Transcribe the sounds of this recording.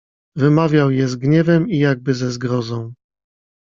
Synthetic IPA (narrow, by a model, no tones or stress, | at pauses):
vɘmavʲjawjɛzɡɲɛvɛmijaɡ̚bɘzɛzɡɾɔzɔ̃w̃